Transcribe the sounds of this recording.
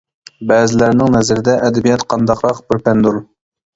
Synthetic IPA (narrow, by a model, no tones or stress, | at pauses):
bɛːzɪlæɾnɪŋnɛzɪɾɪd̪ɛʔɛd̪ɛbijɛt̪qʰɑnd̪ɑqɾɑqbɪɾpʰɛnd̪uɾ